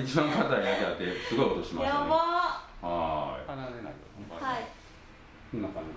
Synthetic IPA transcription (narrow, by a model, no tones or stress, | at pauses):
it͡ɕibãŋkat̪aid̪akʲeat̪ːesɨɡoiot̪oɕimaaahai | ai | naka